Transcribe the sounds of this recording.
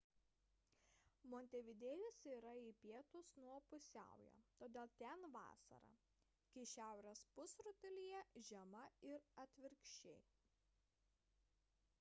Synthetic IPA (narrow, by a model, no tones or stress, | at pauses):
moɔːnʲt̪ʲɛʋʲɪd̪ʲeːjʊsiːɾɐipʲiɛt̪ʊsnuɔpʊsʲæ̰ˑʊjo̰t̪oːd̪ʲeːlˠt̪ʲɛnʋɑ̰ːsɐ̰ɾɐ̰ | kʲɪʃʲæˑʊɾʲɛspʊsɾʊt̪ʲɛlʲɪjɛʒʲɛmɐɪɾɐt̪ʲʋʲɪɾʲkʃʲt͡ʃʲɛɪ